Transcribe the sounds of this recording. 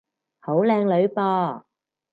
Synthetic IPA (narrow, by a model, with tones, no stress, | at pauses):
ho˨˥wlɛː˧ŋlɵ˨˧ɥpɔː˧